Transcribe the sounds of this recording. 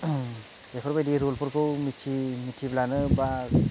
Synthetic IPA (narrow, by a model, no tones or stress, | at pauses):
epʰɔɾbajdiɾolpʰuɾkʰɯwmitʰimitʰiblanɯba